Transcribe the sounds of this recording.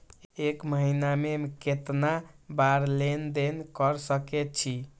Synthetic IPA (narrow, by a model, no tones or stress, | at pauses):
ekməɦinamemket̪nabaɾlend̪enkəɾsəkɛt̪̚t͡ʃʰi